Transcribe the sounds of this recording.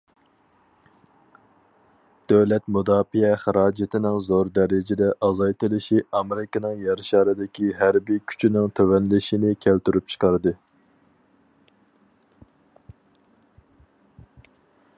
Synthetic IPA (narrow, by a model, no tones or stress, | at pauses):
d̪̥øwlɛt̪mud̪ɑːfiɛχæɾɑːd͡ʒɪt̪ʰɪnɪŋzoɾd̪ɛɾɪd͡ʒɪd̪ɛʔɑzɑjt̪ɨlˠɨʃiɑmɪɾɪkɪnɨŋjɛɾʃɑːɾɨd̪ɪkʲʰiɦæɾbikʲʰy̥t͡ʃʰinɪŋt̪ʰøwɛnlɪʃinɪkʲʰælt̪yɾyp̚t͡ʃʰə̥qʰɑɾɨd̪ɨ